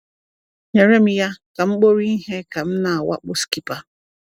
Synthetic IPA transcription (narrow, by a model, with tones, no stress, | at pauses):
ɲe˨ɾe˦m̩˦ja˦ka˨ŋ͡m̩˦k͡po˦ɾi˦i˦ɦe˦ka˨m̩˦na˨a˨wa̰˦k͡pʊ˦ski˦pa˦